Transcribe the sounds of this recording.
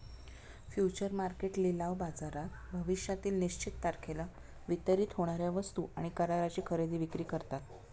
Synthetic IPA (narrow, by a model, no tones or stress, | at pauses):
fjut͡ɕəɾmaɾkeʈlilaʋbad͡zaɾat̪bʱəʋiɕjat̪iːlniɕt͡ɕit̪ːaɾkʰela | ʋit̪əɾiːt̪ɦoɽ̃aɾjaʋəst̪uʔaɽ̃ikəɾaɾat͡ɕiːkʰəɾed̪iːʋikɾiːkəɾt̪at̪